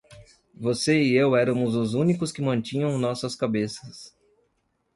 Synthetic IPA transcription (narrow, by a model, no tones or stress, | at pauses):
voseɪewɛɾɐmʊzʊzũnikʊskɪmɐ̃nt͡ʃĩɲɐ̃w̃nɔsɐskabesɐs